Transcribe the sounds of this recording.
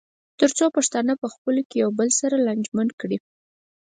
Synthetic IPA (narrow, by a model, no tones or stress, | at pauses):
t̪əɾt͡sopaʂt̪ɑnapəxpəlokejawbəlsaɾaland͡ʒmankɽi